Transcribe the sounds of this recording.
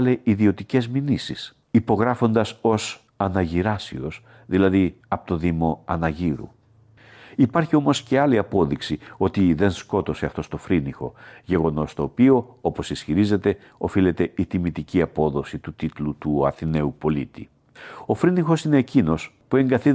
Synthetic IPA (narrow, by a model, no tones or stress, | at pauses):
le̞iðio̞t̪ice̞zminisis | ipo̞ɣɾɐfo̞nd̪ɐso̞s | ɐnɐʝiɾɐsio̞s | ðilɐði | ɐpo̥t̪o̞ðimo̞ɐnɐʝiɾṵ | ipɐɾçio̞mo̞sce̞ɐliɐpo̞ðiksio̞t̪iðe̞nsko̞t̪o̞se̞ɐft̪o̞st̪o̞fɾinixo̞̰ʝe̞ɣo̞no̞st̪o̞ːpio̞o̞po̞sisçiɾize̞t̪e̞ | o̞file̞t̪e̞it̪imit̪iciɐpo̞ðo̞sit̪ut̪it̪lut̪uɐ̰θine̞upo̞lḭt̪ḭ | o̞fɾinixo̞sine̞ːcino̞spue̞ŋɡɐθi